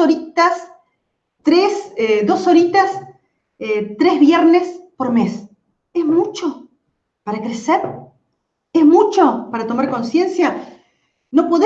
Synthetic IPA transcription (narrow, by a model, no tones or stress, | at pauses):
oɾit̪as | t̪ɾeseðo̞so̞ɾit̪as | et̪ɾezβjeɾnespo̞ɾmes | ezmut͡ʃo̞ | paɾakɾeseɾ | ezmut͡ʃo̞paɾat̪o̞maɾko̞nsje̞nsja | no̞po̞ðe